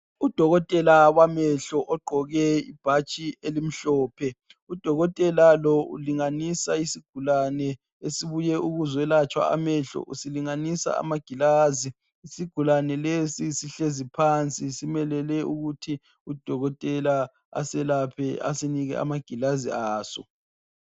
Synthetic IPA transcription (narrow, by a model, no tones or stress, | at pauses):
ud̥ʱɔɣɔtʼɛlawamɛɬɔʔɔɡ͡ǃʱɔɣɛḭb̥ʱat͡ʃʼielim̩ɬɔːpʰɛ | ud̥ʱɔɣɔtʼɛlalɔṵliŋanisaisiɡ̥ʱulanɛ | esiβujɛuɣuzwɛlat͡ʃʼwa̰a̰mɛɬɔ̰ʔusiliŋanisa̰a̰maɡ̥ʱilaːziː | siɡ̥ʱulanɛlesisiɬezipʰant͡sʼisimɛlɛlɛuɣutʰi | ud̥ʱɔɣɔtʼɛla | a̰sɛlapʰɛa̰siniɣɛ̰a̰maɡ̥ʱilazḭaːsɔ̰